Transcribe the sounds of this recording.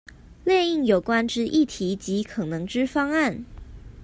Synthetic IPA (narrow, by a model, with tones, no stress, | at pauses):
ljɛ˥˧ni˥˩ŋjo˨˩ʊkwa˥nʈ͡ʂɻ̩˥ʔi˥˩t̪ʰi˨˧˥t͡ɕi˨˧˥kʰɤ˨˩nɤ˧˥ŋʈ͡ʂɻ̩˥fɑ˥ŋa˥˩n